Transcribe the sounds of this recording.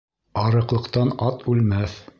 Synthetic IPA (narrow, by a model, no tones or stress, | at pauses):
ɑɾɤ̆qlˠɤ̆qt̪ɑnɑt̪ʉlmæθ